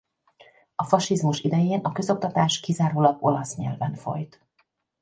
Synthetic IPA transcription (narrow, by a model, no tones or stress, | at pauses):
ɒfɒʃizmuʃid̪ɛjeːnɒkøzo̞k̚t̪ɒt̪aːʃkizaːɾoːlɒbo̞lɒsɲɛ̰lvɛɱfo̞̰jt̪